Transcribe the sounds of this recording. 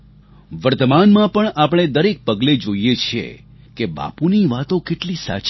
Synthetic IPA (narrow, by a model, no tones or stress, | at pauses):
ʋəɾt̪əmanmãpəɳapəɳ̃ed̪əɾek̚pəɡled͡ʒoijet͡ʃʰiḛ | keba̰puniʋat̪okeʈlisa̰t͡ʃ